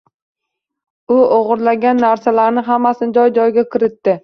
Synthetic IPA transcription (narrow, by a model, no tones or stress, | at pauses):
ʊoʁɨɾlaɡʲanːaɾsalaɾnɪɦamːasɪnɪd͡ʒɒjd͡ʒɒjɡʲakʰʲɪɾɪt̪ːɪ